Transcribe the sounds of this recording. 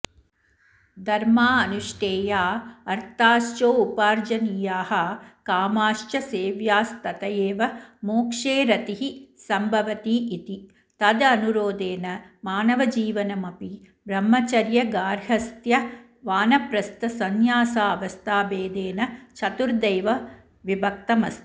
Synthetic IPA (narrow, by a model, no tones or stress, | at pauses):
d̪ʱɐɾmaːɐnuʃʈeːjaːɐɾt̪aːʃt͡ʃoːupaːɾd͡ʒɐniːjaːhɐkaːmaːʃt͡ʃɐseːʋjaːst̪ɐt̪ɐjeːʋɐmoːkʂeːɾɐt̪iɦisɐmbʱɐʋɐt̪iʔit̪i | t̪ɐd̪ɐɐnuɾoːd̪eːnɐmaːnɐʋɐd͡ʒiːʋɐnɐmɐpi | bɾɐmːɐt͡ʃɐɾjɐɡaːɾɦɐst̪jɐ | ʋaːnɐpɾɐst̪ɐsɐnjaːsaːɐʋɐst̪ʰaːbeːd̪eːnɐt͡ʃʰɐt̪uɾd̪ɐjʋɐ | ʋibʱɐk̚t̪ɐmɐ̰st̪i̥